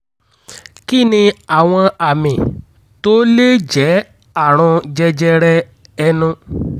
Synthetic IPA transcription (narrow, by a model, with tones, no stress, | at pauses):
ki˦˨nĩ˧a˦˨w̃ɔ̃˧a˨mĩ˨ | to˦le˦d͡ʒɛ˨˦ | a˦˨ɾ̃ũ˧d͡ʒɛ˧d͡ʒɛ˧ɾɛ˧ | ɛ˧nũ˧